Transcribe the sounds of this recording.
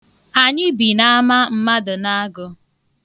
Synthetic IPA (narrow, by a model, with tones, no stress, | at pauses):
a˨ɲɪ˦bi˨na˦a˦ma˦m̩˦ma˦dʊ˨na˦a˦ɡʊ˦